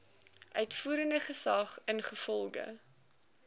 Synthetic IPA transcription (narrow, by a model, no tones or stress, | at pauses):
ʔœɥtfuːɾəndəχəsɐχənχəfɔlˠɡə̰